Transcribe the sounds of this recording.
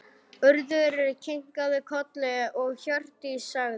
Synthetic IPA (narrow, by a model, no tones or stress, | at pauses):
ʏɾðʏɾɪɾcʰejŋ̥kaðɪkʰɔt̪lɛʔɔɣçjœr̥t̪ɪsaɣð